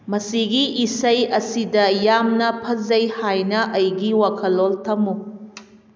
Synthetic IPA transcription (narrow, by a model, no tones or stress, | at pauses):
mɐsiɡiʔisɐjɐsidɐjamnɐpʰɐzɐjhajnɐʔɐjɡiwakʰɐlːoltʰɐmu